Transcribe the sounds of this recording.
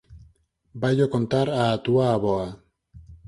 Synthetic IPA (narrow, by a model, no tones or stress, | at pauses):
bajokont̪aɾaːt̪uaːβoa